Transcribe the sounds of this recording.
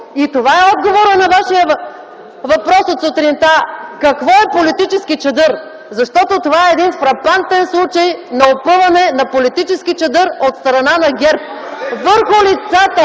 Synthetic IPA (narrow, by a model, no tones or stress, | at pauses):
it̪ovaɛɔd̪̚ɡovoɾənɐvaʃiə | vɐpɾɔsot̪sot̪ɾint̪akɐkvɔɛpolit̪it͡ʃɛskit͡ʃɐd̪ɤɾ | zɐʃt̪ɔt̪ot̪ovaɛːd̪infɾɐpant̪ɛnslˠut͡ʃɐjnɐopɤvˠɐnɛnɐpolit̪it͡ʃɛsk̟it͡ʃɛd̪ɤɾot̪st̪ɾɐnanɐɡʲɛɾp̚ | vəɾxʊlit̪sat̪ə